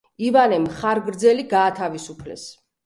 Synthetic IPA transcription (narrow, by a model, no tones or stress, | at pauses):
ivanɛmχaɾɡɾd̪zɛliɡaːt̪ʰavisupʰlɛ̰s